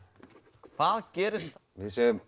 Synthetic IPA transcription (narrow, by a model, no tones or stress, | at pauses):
kʰv̥aðcɛːɾɪst̪vɪðsɛjʏ